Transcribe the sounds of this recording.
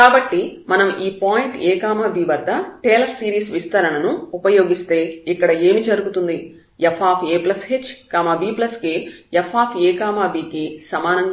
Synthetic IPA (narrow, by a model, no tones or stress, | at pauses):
kaːbɐʈːimɐnɐmʔiːpaːjiɳʈeːkaːmaːbiːʋɐd̪ːɐʈeːlɐɾsiːɾiːsʋist̪ɐɾɐɳɐnuupɐjo̞ːɡist̪e̞ːikːɐɽɐe̞ːmid͡ʒɐɾuɡut̪und̪i | epʰaːpʰeːplɐsɦet͡ʃːkaːmaːbiːplɐskiepʰːaːpʰeːkaːmaːbiːkisɐmaːnɐŋ